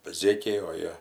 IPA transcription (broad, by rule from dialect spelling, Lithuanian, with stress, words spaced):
ˈzʲeːkʲɛɪ oː ˈjiɛ